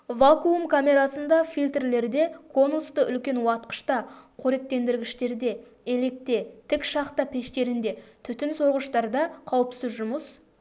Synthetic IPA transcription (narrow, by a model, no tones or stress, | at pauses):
vakuumkʰamʲe̞ɾasənd̪ɑfʲilt̪rle̞ɾd̪e̞kʰo̞nust̪əʔʏ̰lkʲe̞nwɑt̪̚qə̥ʃt̪ɑqʰoɾe̞t̪ːe̞nd̪ɪɾɡʲɪʃt̪e̞ɾd̪e̞ | ele̞k̚t̪e̞t̪ʰɪkʃɑqt̪əpʰeʃt̪e̞ɾɪnd̪e̞t̪ʰʏt̪ɪnso̞ɾʁəʃt̪ɑɾd̪ɑqʰɑwəpsɪzʒʊməs